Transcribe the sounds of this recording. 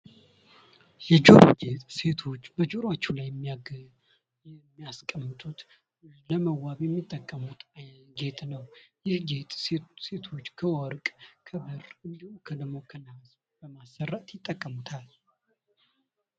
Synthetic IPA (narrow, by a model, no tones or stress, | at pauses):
jɛd͡ʒoɾo̰d͡ʒet̪ʼse̞t̪ʰo̞t͡ʃːbəd͡ʒoɾat͡ʃːulajːɛmːiaɡ | mːijaskʼəmːɨt̪ʼut̪ | ləməwaβjɛmːit̪ʼːəkʼːəmut̪aɡe̞t̪ʼnəwjɪhɡet̪ʼse̞t̪ʰo̞t͡ʃːkʰəwɔɾkʼkʰəbɨrɨnd̪ihumkʰəd̪əmːo̞kʰənas | b̥əmasːərːat̪jɪt̪ʼːəkʼːəmut̪ʰal